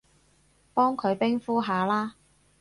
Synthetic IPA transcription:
pɔː˥ŋkʰɵ˨˧ɥpɪ˥ŋfuː˥ɦaː˨˧laː˥

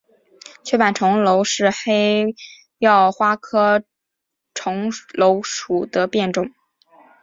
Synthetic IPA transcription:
t͡ɕʰɛ˥pa˨˩nʈ͡ʂʰʊ˧˥ŋlo˧˥ʊʂɻ̩˥˧xe˥ɪ | jɑ˥˩ʊxwa˥kʰɤ˥ | ʈ͡ʂʰʊ˧˥ŋlo˧˥ʊʂu˨˩d̪ə˦pjɛ˥˧nʈ͡ʂʊ˥˩ŋ

